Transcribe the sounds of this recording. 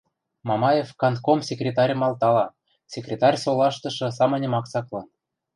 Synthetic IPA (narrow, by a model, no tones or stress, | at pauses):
mɑmɑjefkɑnt̪komsʲekrʲet̪ɑɾʲɤ̆mɑlˠt̪ɑlɑ | sʲekrʲet̪ɑrʲsolˠɑʃt̪ɤ̆ʃɤ̆sɑmɤ̆nʲɤ̆mɑksɑklˠɤn